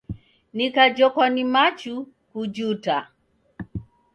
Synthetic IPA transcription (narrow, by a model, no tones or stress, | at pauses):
nikad͡ʒɔkɔnimat͡ʃu | kud͡ʒuta